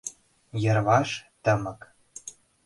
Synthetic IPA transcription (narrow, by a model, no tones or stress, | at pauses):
jɤ̆rβɑʃt̪ə̆mə̆k